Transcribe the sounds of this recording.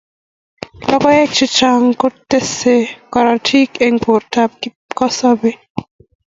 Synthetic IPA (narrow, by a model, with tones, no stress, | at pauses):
lɔ˦kɔ˦e˦k̚t͡ʃi˦t͡ʃa˦ŋko˦tːe˦se˦kɔ˨ɾatʰi˦ke˦ŋpo˨ɾta˦p̚ki˦ | kɔ˦sɔbe˦